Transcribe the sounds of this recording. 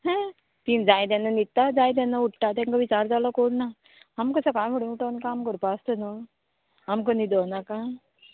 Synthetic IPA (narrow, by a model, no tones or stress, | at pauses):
ɦɛ̃ | t̪iːnd͡zajt̪̬jãnːanit̚t̪ːad͡zajt̪̬ãnːauʈʈat̪̬ãŋkaʋit͡ɕaɾd͡zalɔkoɽna | amkəsakãjʋəɽunuʈaʋnkamkəɾupast̪əno | amkənid̪ɔnaka